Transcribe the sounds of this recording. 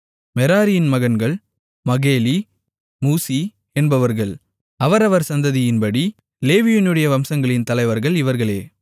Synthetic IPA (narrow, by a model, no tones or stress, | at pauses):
mɛɾaːɾɪjɪnmɐɣɐnɡɐɭ | mɐɣeːli | muːsi | ɛnbɐʋɐɾɣɐɭ | ɐʋɐɾɐʋɐɾsɐnd̪ɐðɪjɪnbɐɽi | leːʋɪjɪnɯɽɐjɐʋɐmsɐŋɡɐɭɪnt̪ɐlɐɪʋɐɾɣɐɭɪʋɐɾɣɐɭeː